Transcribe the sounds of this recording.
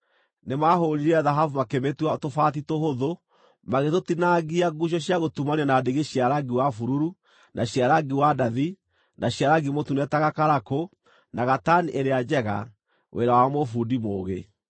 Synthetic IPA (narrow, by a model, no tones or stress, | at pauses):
nemaɦoɾiɾɛaðaɦavumakemetwatofatitohoðo | maɣetotinaɣiaɡuɕ̬jɔɕjaɣotumaniɔnadeɣeɕiaɾaɡiwafuɾuɾu | nʔaɕiaɾaɡiwadaði | nʔaɕiaɾaɡimotunɛtaɣakaɾako | naɣataniʔeɾead͡ʒɛɣa̰ | wʔeɾawamofudimoːɣe